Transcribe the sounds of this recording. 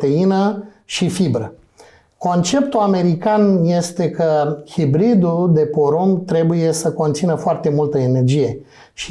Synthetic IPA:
t̪einəʃifibɾə | ko̞nt͡ʃe̞pt̪uame̞ɾikanje̞st̪e̞kəhibɾid̪uld̪e̞po̞ɾomt̪ɾe̞buje̞səko̞nt̪sinəfoart̪e̞mult̪əene̞rd͡ʒije̞ | ʃi

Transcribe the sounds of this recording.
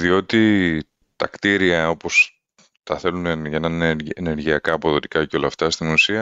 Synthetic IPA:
ðio̞t̪i | t̪ɐ̰kt̪iɾiɐo̞po̞s | t̪ɐθe̞luneʝɐnɐneneɾʝiɐkɐːpo̞ðo̞t̪ikɐco̞lɐːft̪ɐst̪imusiɐ

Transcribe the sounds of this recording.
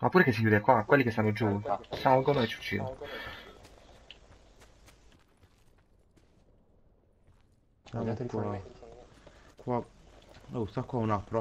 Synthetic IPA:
mapːuːɾekesːikjuːd̪ekwakwelːikest̪anːod͡ʒusalɡonoet͡ʃːut͡ʃːḭd̪o̰no | k | kwa | ost̪akwaunapːɾɔ

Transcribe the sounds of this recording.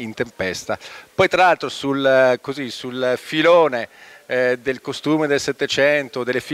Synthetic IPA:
int̪empɛst̪apɔjt̪ɾalalt̪ɾosulkozisulfiloːne | d̪elkost̪uːmed̪elset̪ːet͡ʃɛnt̪od̪elːefi

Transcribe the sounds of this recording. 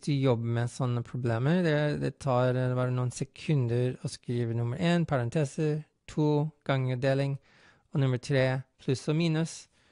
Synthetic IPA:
d̪ʉjɔbːəmɛsɔnːəpʰɾʊbleːməɾd̪ɛd̪ɛ̰t̪ʰɑːɾbɑːɾənuːnsɛkʰʉnd̪əɾɔskɾiːʋənʊməɾʔeːnpʰɑɾɑnt̪ʰeːsə | t̪ʰuːɡ̥ɑŋəd̪eːlɪŋ | ɔnʉmətʰɾeːpʰlʉsɔːmiːnʉs

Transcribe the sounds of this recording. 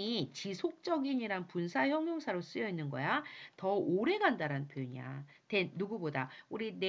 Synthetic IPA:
it͡ɕisʰok̚t͡ɕ͈ʌɡiɲiɾanpunsʰaçjʌŋjoŋsʰaɾos͈ɯjʌinːɯnɡʌ̰jatʌoɾe̞ɡandaɾanpʰjojɲa̰ | te̞nːuɡubodauɾine

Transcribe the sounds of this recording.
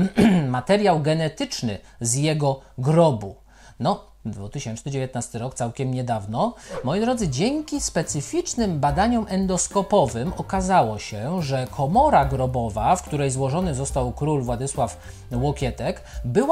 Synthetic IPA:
mat̪ɛɾʲjawɡɛnɛt̪ɘt͡ʂnɘ̰ | zjɛɡɔɡɾɔbu | nɔ | d̪vut̪ɘɕɛnt͡ʂnɘd͡ʑevʲjet̪nast̪ɘɾɔkt̪sawkʲɛmɲɛd̪avnɔmɔjid̪ɾɔd̪zɘd͡ʑɛŋkʲispɛt̪sɘfʲit͡ʂnɘmbad̪aɲɔmʔɛnd̪ɔskɔpɔvɘmɔkazawɔɕɛʐɛkʰɔmɔɾaɡɾɔbɔvafkt̪uɾɛjzwɔʐɔnɘzɔst̪awkɾulvwad̪ɘswaf | wɔkʲɛt̪ɛk | bɘw

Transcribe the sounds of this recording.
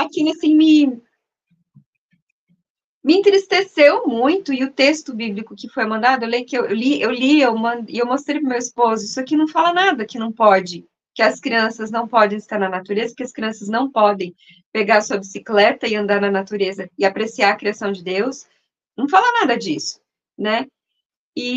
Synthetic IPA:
akilasĩmɪ | mɪẽnt̪ɾist̪esewmũj̃t̪ʊɪʊt̪est̪ʊbiblikʊkɪfojmɐ̃nd̪ad̪ʊewlejʊkɪewewliewliewmɐ̃d̪ɪewmost̪ɾejpɾɐmewispozʊisakɪnɐ̃w̃falɐnad̪ɐkɪnɐ̃w̃pɔd͡ʒɪ | kɪɐskɾiɐ̃sɐznɐ̃w̃pɔd̪ẽj̃ɪst̪aɾnɐnat̪uɾezɐkɪɐskɾiɐ̃sɐznɐ̃w̃pɔd̪ẽj̃ | peɡaɾɐsuɐbisiklɛt̪ɐɪɐ̃nd̪aɾnɐnat̪uɾezɐɪapɾesiaɐkɾiasɐ̃w̃d͡ʒɪd̪ews | nɐ̃w̃falɐnad̪ɐd͡ʒisʊ̥ | nɛ | ɪ

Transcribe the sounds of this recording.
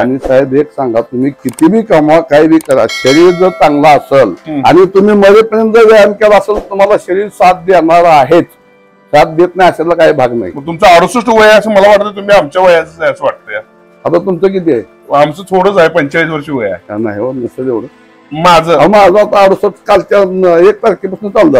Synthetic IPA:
amiːsaɦed̪eksãŋɡat̪um̤iːkit̪ibʱiːkamʋakaɦibʱiːkəɾa̰ɕəɾiːɾd͡zəɾt͡sãŋɡlaːsəlɦa̰ñit̪um̤iːməɾepənent̪əɾʋejankeləsəlt̪um̤alaɕəɾiːɾsat̪̚d̪enaɾaɦet͡s | sat̪̚d̪et̪najaɕalakaɦiːbʱaɡna̰ɦḭməɡ̚t̪umt͡saaɽusəʂʈuʋəjasəməlaʋaʈ̚t̪ət̪um̤iːamt͡ɕjaʋəjat͡sət͡sajasəʋaʈ̚t̪əja | at̪at̪umt͡sək̬it̪̬e | amt͡sət̪ʰoɽəd͡zaepəɲt͡ɕaɭiːsʋəɾɕiːʋəja̰a̰na̰ɦiʋənəsəd̪eʋɽə | mad͡zəːamad͡zəat̪aaɾusəskalt͡ɕaek̚t̪əɾkipəsunt͡sald̪ə

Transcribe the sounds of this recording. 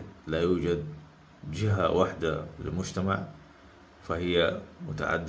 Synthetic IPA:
lajuːd͡ʒad̪ | d͡ʒɪɦawaħd̪alɪ̰lmʊd͡ʒt̪ama̰ʕ | fahɪjːamʊt̪a̰ʕa̰d̪ː

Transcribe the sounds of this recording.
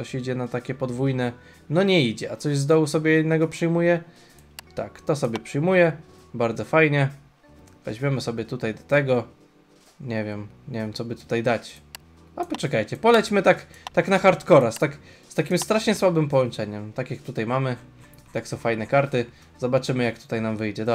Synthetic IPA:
ɔɕid͡ʑɛnat̪akʲɛpɔd̪vujnɛ | nɔɲɛid͡ʑɛat̪sɔʑzd̪ɔwusɔbʲjɛjɛnːɛɡɔpʂɘjmujɛ | t̪a̰kt̪ɔsɔbʲjɛpʂɘjmujɛ | baɾd̪zɔfajɲɛ | vɛ̰ʑmʲjɛmɘsɔbʲɛt̪ut̪ajd̪ɔ̥t̪ɛɡɔ | ɲɛvʲjɛm | ɲɛvʲjɛmt̪sɔbɘt̪u̥t̪ajd̪at͡ɕ | apɔt͡ʂɛkajt͡ɕɛpɔlɛt͡ɕmɘt̪akt̪aknaxaɾt̪kɔɾast̪ak | st̪akʲimst̪ɾaʂɲɛswabɘmpɔwɔnt͡ʂɛɲɛmt̪akʲjak̚t̪ut̪ajmamɘ | t̪aksɔ̃w̃fajnɛkaɾt̪ɘ | zɔbat͡ʂɘmɘjak̚t̪u̥t̪ajnamvɘjd͡ʑɛd̪ɔ

